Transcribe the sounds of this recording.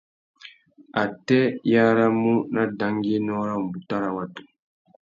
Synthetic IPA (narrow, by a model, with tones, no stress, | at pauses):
a˨tɛ˦jaː˦ɾa˦mu˦na˦da˨ŋɡi˦e˦nɔ˦ɾa˦m˨bu˨ta˦ɾa˨wa˦tu̥˨